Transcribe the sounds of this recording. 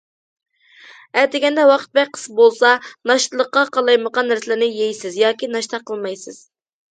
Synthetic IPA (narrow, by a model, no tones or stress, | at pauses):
æt̪ɪɡʲɛnd̪ɛwɑqʰə̥t̪̚bɛk̚ʲqʰːə̥sbolˠsɑnɑʃt̪ɨlˠəqːɑqɑlˠɑjməqɑnːæɾsɪlɪnɪjejsɪzjɑːkʲinɑʃt̪ʰɑqʰəlˠmɑjsɪz̥